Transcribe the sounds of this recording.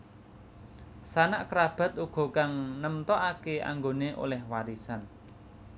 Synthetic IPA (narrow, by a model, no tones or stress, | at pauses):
sanaʔkəɾab̥ä̤t̪uɡ̥ɔ̤kaŋnəmt̪ɔʔakea̰ŋɡoneʔo̰lɛhwaɾisan